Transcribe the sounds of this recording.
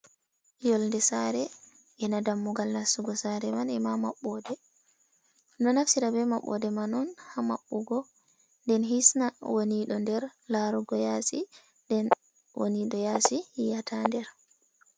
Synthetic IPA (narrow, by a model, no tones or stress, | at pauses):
jɔlndɛsaɾɛ | ʔɛnadamːuɡalnasuɡɔsaɾɛmanɛmamaɓːɔdɛ | nɔnafsiɾabɛmaɓːɔ̰dɛmanɔnhama̰ɓːuɡɔ | ndɛnɦisnawoniɗɔndɛɾlaɾuɡɔjasi | ndɛn | wo̰niɗɔjasihijatʰandɛɾ